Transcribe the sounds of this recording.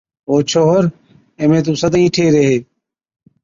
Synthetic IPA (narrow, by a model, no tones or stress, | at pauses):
oːt͡ʃʰoːɦɾ | eːmẽːt̪̬ũːsəd̪ĩːʈʰeːɾeɦeː